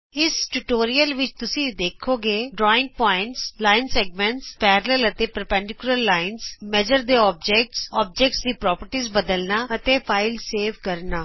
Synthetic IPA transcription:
ɪsʈuʈoːɾijəlʋɪt͡ʃt̪ʊsĩːd̪eːkʰoːɡeːɖɾɔːɪ̃ŋɡ̚pɔːɪ̃ɳʈslaːɪnsɛːɡmɛ̃ɳʈspɛːɾələlət̪eːpəɾpɛ̃ːɳɖɪkʊləlːaːɪnsmɛːd͡ʒəɾd̪eːɔːb̚d͡ʒɛːk̚ʈsɔːb̚d͡ʒɛk̚ʈsd̪iːpɾɔːpəɾʈiːzbəd̪əlnaːət̪eːpʰaːɪlseːʋkəɾnaː

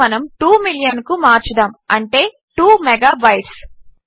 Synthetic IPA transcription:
ɐnɐmʈuːmiljɐnkumaːɾt͡ʃɐd̪ɐmɐɳʈe̞ː | ʈuːmɛɡaːbɐjʈs

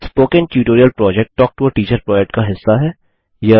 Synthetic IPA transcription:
spoːkẽnʈjuːʈoːɾiəlpɾɔːd͡ʒɛk̚ʈʈːɔːk̚ʈuəʈiːt͡ʃəɾpɾɔːd͡ʒɛk̚ʈ̚kaɦɪsːaɦɛː | jɐ

